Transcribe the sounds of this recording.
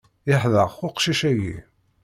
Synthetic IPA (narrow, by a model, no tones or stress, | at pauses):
ɪħðəʁxʊqʃiʃæjḭ